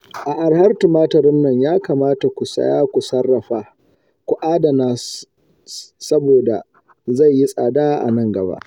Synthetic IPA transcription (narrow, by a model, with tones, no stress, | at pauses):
ʔa˨ʔa˨ɽhɐ˦rtu˨maː˦tɐ˨ɾɪ˦mnɐ˦˨ɲjaː˦kaː˨maː˦ta˨kʷu˨sɐ̰˦jaː˦kʷu˨sɐ˦rːɐ˨ɸaː˨ | kʷʊ˨ʔaː˦da˨naː˦ | sɐ˦boː˨da̰˨ | za˦˨jːi˦sʼa̰ː˨daː˦ʔa̰˨nɐ˦ŋɡɐ˨ba̰˦ʔ